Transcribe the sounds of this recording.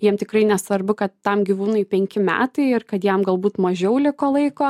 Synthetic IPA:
jiɛmt̪ʲɪkrɐɪnʲɛsʋɐrbʊkɐt̪ːɐmɡʲiʋuːnɐɪpʲɛŋʲkʲɪmʲæ̰ːt̪ɐɪɪrkɐt̪jɛmɡɐlˠbuːt̪mɐʒʲɛʊlʲɪkoːlˠɐɪkoː

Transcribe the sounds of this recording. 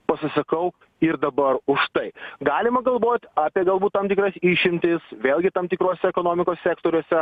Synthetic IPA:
pɐsʲɪsɐkɐʊ | ɪɾd̪ɐbɐɾʊʃt̪ɐɪɡɑːlʲɪmɐɡɐlˠʋoːt̪ʲɑːpʲiɛɡɐlˠbuːt̪t̪ɐmt̪ʲɪkɾɐsiːʃʲɪmʲt̪ʲɪsʋʲeːlʲˠɡʲɪt̪ɐːmt̪ʲɪkɾoːsʲɛɛkoːnoːmʲɪkoːssʲæːkt̪oːɾʲuɔːsʲɛ

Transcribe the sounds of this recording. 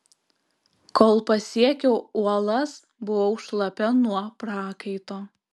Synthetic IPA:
koːlˠpɐsʲiɛkʲɛʊuɔlˠɐs | bʊʋoʊʃlˠɐpʲɛnuɔpɾɑːkɐɪt̪oː

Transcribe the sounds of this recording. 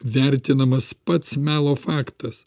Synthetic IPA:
ʋʲæɾʲt̪ʲɪnɐmɐspɐt̪smʲæːlˠoːfɑːkt̪ɐs

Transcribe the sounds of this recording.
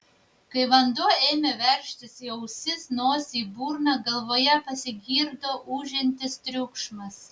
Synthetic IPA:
kɐɪʋɐnd̪oːeːmʲeʋʲɛɾʲʃʲt̪ʲɪsiɛʊsʲɪsnoːsʲiːbuːɾnɑɡɐlˠʋoːjɛpɐsʲɪɡʲiːɾd̪oːʔuːʒʲɪnʲt̪ʲɪst̪ʲɾʲʊkʃmɐs

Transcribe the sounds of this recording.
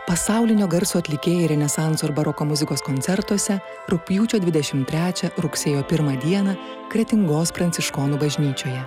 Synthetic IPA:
pɐsɑˑʊlʲɪnʲoːɡɐɾsuːɐt̪ʲlʲɪkʲeːjɛɾʲɛnʲɛsɑˑnt̪soɪɾbɐɾɔkoːmʊzʲɪkoːskɔnʲt̪sʲɛɾt̪uɔsʲɛ | ɾʊpʲjuːt͡ʃʲoːd̪ʲʋʲɪd̪ʲɛʃʲɪmt̪ʲɾʲæːt͡ʃʲɛɾʊksʲeːjoːpʲɪɾmɐd̪ʲiɛnɐ | kɾʲɛt̪ʲɪŋɡoːspɾɐnʲtsʲɪʃkɔːnuːbɐʒʲnʲiːt͡ʃʲoːjɛ

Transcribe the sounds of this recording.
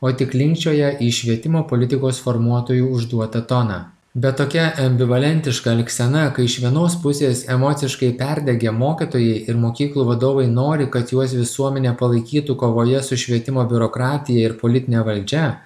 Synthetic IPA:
oːt̪ʲɪklʲɪŋʲkt͡ʃʲoːjɛʔiːʃʲʋʲiɛt̪ʲɪmoːpoːlʲɪt̪ʲɪkoːsfoɾmuɔt̪oːjuːʊʒd̪uɔt̪ɐt̪ɔnɑː | bʲɛt̪t̪ːoːkʲɛʔɐmʲbʲɪʋɐlʲɛnʲt̪ʲɪʃkɐɐlʲksʲɛnɐkɐɪɪʃʋʲiɛnoːspʊsʲeːsɛmɔt̪sʲɪʃkɐɪpʲɛɾʲd̪ʲɛɡʲemoːkʲit̪oːjɛɪɪɾmoːkʲiːklˠuːʋɐd̪oːʋɐɪnoːɾʲɪkɐt̪juɔsʋʲɪsuɔmʲɛnʲeːpɐlˠɐɪkʲiːt̪ukoːʋoːjɛsʊʃʲʋʲiɛt̪ʲɪmoːbʲʊɾoːkɾɑːt̪ʲɪjɛɪɾpoːlʲɪt̪ʲɪnʲeːʋɐlʲd͡ʒʲɛ

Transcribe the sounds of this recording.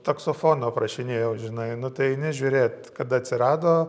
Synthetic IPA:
t̪ɐksofoːnoːprɐʃʲɪnʲeːjɛʊʒʲɪnɐɪnʊt̪ɐɪɪnʲɪʒʲuːɾʲeːt̪kɐt̪ɐt̪ʲsʲɪɾɑːd̪oː

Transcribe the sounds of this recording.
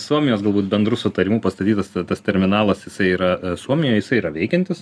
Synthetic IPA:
suɔmʲɪjoːsɡɐlˠbuːt̪̚bʲɛnd̪ɾusʊt̪ɐɾʲɪmuːpɐst̪ɐt̪ʲiːt̪ɐst̪t̪ɐst̪ʲɛɾʲmʲɪnɑːlˠɐsjɪsɐɪiːɾɐsuɔmʲɪjoːjjɪsɐɪiːɾɐʋʲɛɪkʲɛnt̪ʲɪs

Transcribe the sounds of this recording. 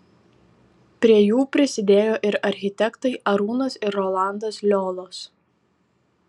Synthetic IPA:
pʲɾʲiɛjuːpʲɾʲɪsʲɪd̪ʲeːjoːʔɪɾʔɐɾʲxʲɪt̪ʲɛkt̪ɐɪʔɐɾuːnɐsɪɾːɔːlˠɑˑnd̪ɐslʲoːlˠoːs

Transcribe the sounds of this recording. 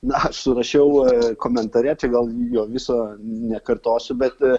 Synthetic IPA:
nɐɐʃsʊɾɐʃʲɛʊkoːmʲɛnt̪ɐɾʲɛt͡ʃʲɛɡɐlˠjoːʋʲɪsoːnʲɛkɐrt̪oːsʲʊbʲɛt̪

